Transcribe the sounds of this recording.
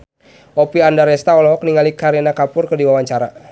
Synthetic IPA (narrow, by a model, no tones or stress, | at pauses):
ʔɔpiandaɾɛst̪aɔlɔɦɔk̚niŋalikaɾenakapʊrkərdiwawaɲt͡ʃaɾa